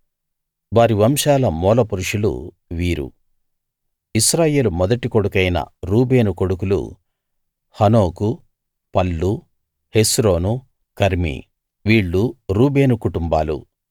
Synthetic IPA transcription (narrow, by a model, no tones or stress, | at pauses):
ʋaːɾiʋɐmʃaːlɐmɔːlɐpuɾuʂulṵ | ʋiːɾṵ | isɾaːje̞ːlumɔd̪ɐʈikoɽukɐjnɐ̰ɾuːbe̞ːnuko̞ɽukulṵ | hɐnoːku | pɐlːu | he̞sɾo̞ːnu | kɐɾmḭ | ʋiːɭːuɾuːbe̞ːnukuʈumbaːlṵ